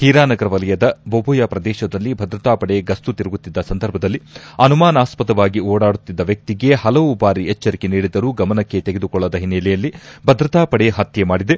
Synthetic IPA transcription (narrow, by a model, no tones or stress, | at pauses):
h̪iːɾaːnɐɡɐɾɐʋɐlɐjɐd̪ɐbobʱujɐpɾɐd̪ɛːʃɐd̪ɐlːibʱɐd̪ɾɐt̪aːpɐɽe̞ɡɐst̪ut̪iɾɐɡut̪ːid̪ːɐsɐnd̪ɐɾbʱɐd̪ɐlːiɐnumaːnaːspɐt̪ɐʋaːɡioːɽaːɽut̪ːid̪ːɐʋjɐk̚t̪iɡe̞hɐlɐʋubaːɾiɛt͡ʃːɐɾikeniːɽid̪ɐɾuːɡɐmɐnɐkːe̞t̪eɡed̪ukɔɭːɐd̪ɐɦinɛlɛjɐlːibʱɐd̪ɾɐt̪aːpɐɽeɦɐt̪jemaːɽid̪e̞